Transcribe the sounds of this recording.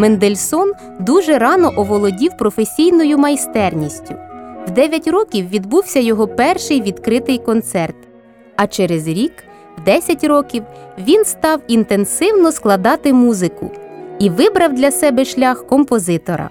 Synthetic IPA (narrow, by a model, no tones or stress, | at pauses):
mɛnd̪elʲsɔn | d̪uʒɛɾɑnɔʔɔʋɔlˠɔdʲiwpɾɔfesʲijnɔjʊmɐjst̪ɛrnʲisʲtʲʊwd̪ɛʋʲjɐtʲrɔkʲiwʋʲid̪buwsʲɐjɔɦɔpɛrʃɪjʋʲid̪kɾɪt̪ɪjkɔnt̪sɛrt̪ | ɐt͡ʃeɾezɾʲik | wd̪ɛsʲɐtʲrɔkʲiwʋʲinst̪ɑwint̪ensɪwnɔsklˠɐd̪ɑt̪ɪmuzɪkʊ̰iʋɪbɾɐwd̪lʲɐsɛbɛʃlʲɑxkɔmpɔzɪt̪ɔɾɐ̰